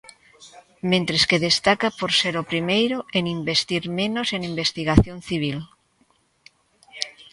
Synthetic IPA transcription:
mẽnt̪ɾeskeðest̪akapoɾseɾopɾimejɾoeŋimbest̪iɾmẽnoseŋimbest̪iɣaθjõnθiβ̞il

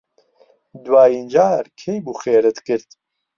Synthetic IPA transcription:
d̪waːjind͡ʒaːɾkʰejbuːxeːɾɨt̪kɨɾt̪

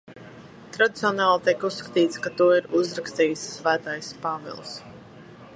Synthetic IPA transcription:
t̪ɾad̪it̪siɔnaːlˠt̪iɛkusːkḁt̪iːt̪skat̪uɔiɾuzɾakst̪iːjsːvæːt̪ajspavḭlˠs

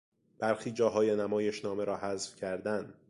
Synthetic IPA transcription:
b̥æɾxiːd͡ʒɒːɦɒːjenæmɒːjeʃnɒːmeɾɒːhæzfcʰæɾd̪æn

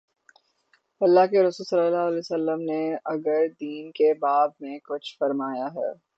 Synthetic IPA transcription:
ɐlːakeɾʊsuːlsɐlːalaːɦəlɛsəlːəmneɐɡəɾd̪iːnkebaːbmẽkʊt͡ʃʰfɐɾmaːjaɦɛ̰ː

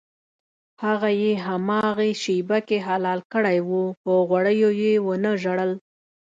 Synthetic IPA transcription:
haɣajeɦamɑɣeʃibakeɦalɑlkəɽajwupəɣwaɽəjojewənəʒaɽəl

